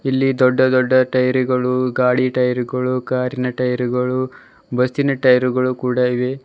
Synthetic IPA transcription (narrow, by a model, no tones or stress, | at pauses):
ilːid̪ɔɖːɐd̪ɔɖːɐʈɐjɐɾiɡɐɭuɡaːɽiʈɐjɐɾuɡɐɭukaːɾinɐʈɐjɐɾuɡɐɭu | bɐst̪inɐʈɐjɐɾuɡɐɭukuːɽɐiʋe̞